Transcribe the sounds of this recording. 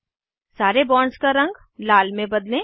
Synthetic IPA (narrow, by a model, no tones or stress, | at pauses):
saːɾebɔːɳɖskaɾɐ̃ŋɡ | laːlmẽbɐd̪lẽː